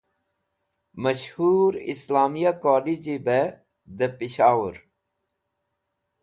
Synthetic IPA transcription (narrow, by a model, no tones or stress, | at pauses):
mɐɕhuːɾḭslaːmijakoːlid͡ʑibe | d̪əpiɕaːwəɾ